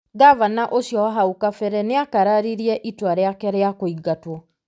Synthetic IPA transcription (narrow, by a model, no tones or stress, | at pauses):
ɡavanaʔoɕjɔaɦaukafɛɾɛneakaɾaɾiɾiɛʔitwaɾeakɛɾeakoiɡatwɔ